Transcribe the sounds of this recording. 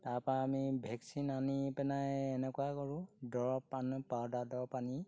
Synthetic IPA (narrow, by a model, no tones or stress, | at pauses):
taɹpɔaːmibʱɛksinanipɛnajɛnɛkʊakɔɹʊ̃dɔɹpanpadadɔɹpani